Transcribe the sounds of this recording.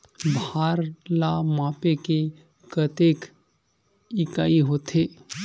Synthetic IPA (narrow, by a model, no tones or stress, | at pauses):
bʱaːɾlamãːpeke | kət̪eːk | ɪkaːiɦoːt̪ʰe